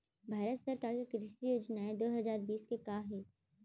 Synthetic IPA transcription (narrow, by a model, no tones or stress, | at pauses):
bʱaːɾət̪sɐɾkaːɾkikɾɪʃijoːd͡ʒnaɦed̪oːɦɐzaːɾbiːskekaːɦeː